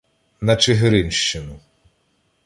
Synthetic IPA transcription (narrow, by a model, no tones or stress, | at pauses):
nɐt͡ʃeɦɾɪnʃt͡ʃɪnʊ